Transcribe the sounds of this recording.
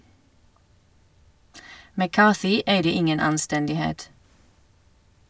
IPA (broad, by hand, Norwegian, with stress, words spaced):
mæˈkɑːθɪ ˈeɪdə ˈɪŋən ɑnˈstɛndɪˌheːt